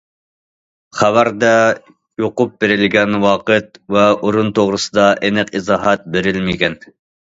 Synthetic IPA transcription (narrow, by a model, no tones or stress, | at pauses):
χævæɾd̪ɛ | joqʊp̚beɾɪlɡʲɛnwɑːqɨt̪̚vɛʔoɾunt̪ʰoʁɾɨsɨd̪ɑʔenɪqizɑːɦæt̪̚beɾɪlmɪɡʲɛn